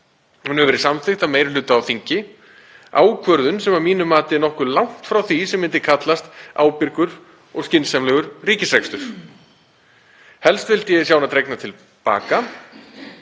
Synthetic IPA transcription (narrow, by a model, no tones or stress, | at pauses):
unʏvɛɾɪsamθɪht̪ameːjɾlʏːt̪aːwθiɲcɪ | a̰ːwkʰvœɾðʏnsɛmamiːnʏmaːt̪ɪnɔhkʏɾlawŋ̥t̪fɾawθisɛmːɪnt̪ɪkʰat̪last̪aːwpɪɾkʏɾ | ɔɣscɪnsamlɛɣʏɾriːcɪsɾekst̪ʏɾ̥ | hɛlst̪vɪlt̪jɛsjaːwnat̪ʰɾejknat̪ʰɪl | pa̰ːka